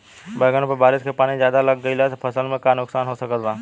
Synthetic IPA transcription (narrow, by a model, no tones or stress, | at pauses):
bəɡəñpəbaːɾɪskepaːnĩd͡ʒjaːd̪alɐɡːəilat̪pʰɐsəlmẽkanʊksaːnɦosɐkət̪baː